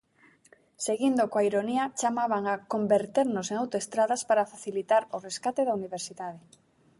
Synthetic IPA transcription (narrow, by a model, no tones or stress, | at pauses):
seɣind̪ʊkoaiɾoniat͡ʃamaβaŋakombeɾt̪eɾnʊseŋawt̪oest̪ɾaðaspaɾafaθilit̪aɾʊreskat̪eðauniβ̞eɾsiðaðe